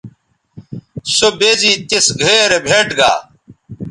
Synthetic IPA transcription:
sobeːziːt̪isɡʱeːɾebʱeːʈɡa̰ː

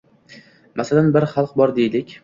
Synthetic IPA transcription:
mʔasalanbɪɾχɑlˠqbɒɾd̪ejlɪkʲ

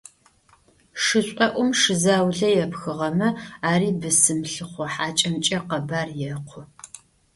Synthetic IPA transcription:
ʂɨɕʷʼɐʔʷʊmʂɨzaːwɮɐjɛpxɨʁɐmɐaːɾiːbɨsɨmɬɨχʷɔħaːt͡ʃʼɐmt͡ʃʼɐqɐbaːrjɛqʷʰʊ

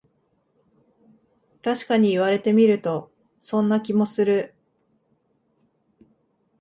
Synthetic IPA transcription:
t̪aɕi̥kaɲ̟iːβ̞aɾe̞t̪e̞mʲiɾɯ̟t̪o̞ | sõ̞nːakʲimo̞sɨɾɯ̟

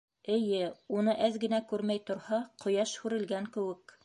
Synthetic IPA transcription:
ɘ̆jɘunɤʔæðɡɘ̆nækʉɾmæjt̪ŏɾhɑqŏjɑʃhʉɾɘ̆lɡæŋkɘ̆wɘk

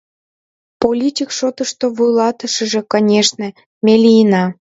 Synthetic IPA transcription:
polʲitʲikʃot̪əʃt̪oβujlɑt̪əʃə̆ʒĕkɑnʲeʃnĕ | mʲelʲijənɑ

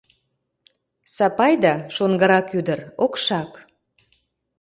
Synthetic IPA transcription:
sɑpɑjd̪ɑʃonɡəɾɑkyd̪ərokʃɑk

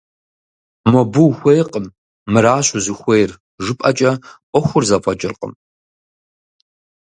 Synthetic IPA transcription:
mɔbuwxʷejqəmː | ɨɾaːɕʷʊzɨxʷejr | ʐɨpʼɐt͡ʃʼɐʔʷʼɔxʷʊrzɐpʰʷʼɔt͡ʃʼɪrqʼə̰m

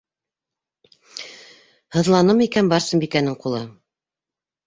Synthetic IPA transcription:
hɤ̆ðlˠɑnɤmikænbɑɾsɤ̆mbikænɘŋqulˠɤ

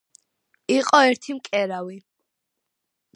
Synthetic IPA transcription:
iqʼɔɛɾt̪ʰimkʼɛɾawi

